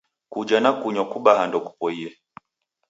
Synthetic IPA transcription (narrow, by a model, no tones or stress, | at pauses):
kud͡ʒanakuɲɔkuɓahandɔku̥pɔiɛ